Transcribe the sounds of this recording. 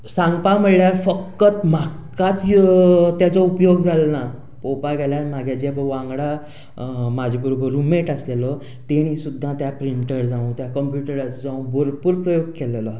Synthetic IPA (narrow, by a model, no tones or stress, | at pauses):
sãŋɡpam̤əɭɭljaɾfəkːət̪m̤akat͡s | t̪jat͡sɔupjoɡd͡zʱalna | popaɡʱɛljaɾmaɡʱjad͡ʑepəʋãŋɡɽa | mad͡ʑʱebəɾobəɾːumeʈəslelɔ | t̪eɽ̃isud̪ʱːãt̪japɾiɳʈəɾd͡zãũt̪jakəmpjuʈəɾat͡sd͡zãũboɾpuɾpɾəjoɡ̚kelelɔ